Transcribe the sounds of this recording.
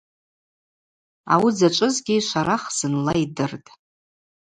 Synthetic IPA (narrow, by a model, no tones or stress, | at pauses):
a̰wid͡zat͡ʃʷʼɨzɡʲiʃʷaɾʔaχz̥ɨnlaidɨrtʼ